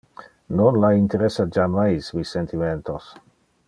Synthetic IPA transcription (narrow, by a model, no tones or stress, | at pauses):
nonlaint̪eɾesːad͡ʒamajsmisːent̪iment̪os